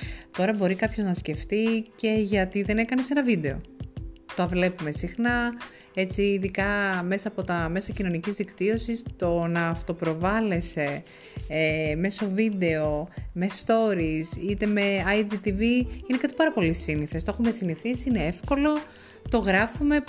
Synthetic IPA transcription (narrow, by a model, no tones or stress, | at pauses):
t̪o̞ɾɐbo̞ɾikɐpço̞znɐsce̞ft̪ice̞ʝɐt̪iðe̞ne̞kɐne̞se̞nɐvid̪e̞o̞̰t̪oɐvle̞pume̞sixnɐ | e̞t͡siːðikɐme̞sɐːpo̞t̪ɐme̞sɐcino̞nicizðikt̪io̞sist̪o̞nɐːft̪o̞pɾo̞vɐle̞se̞ | eme̞so̞vid̪e̞o̞me̞st̪o̞ɾisit̪e̞me̞ɐjd͡zit̪iviine̞kɐt̪i̥pɐɾɐpo̞lisiniθest̪oexumesiniθisiine̞e̞fko̞lo̞ | t̪o̞ɣɾɐfume̞